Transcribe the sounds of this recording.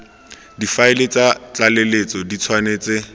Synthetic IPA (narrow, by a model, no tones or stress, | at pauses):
difaɪlɪt͡sat͡ɬalelet͡sʼɔdit͡sʰwanet͡sɪ